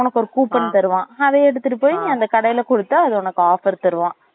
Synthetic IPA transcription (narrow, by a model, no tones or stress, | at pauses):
ɔnɐkːɔɾɯkuːpːɐnːt̪ɐɾɯʋãːɐðɐɛɽɯt̪ːɯʈːɯpoːjŋːɐnd̪ɐkɐɽɐjɪlɐkɔɽɯt̪ːaɐðɯɔnɐkːaːfɐɾt̪ɐɾɯʋãː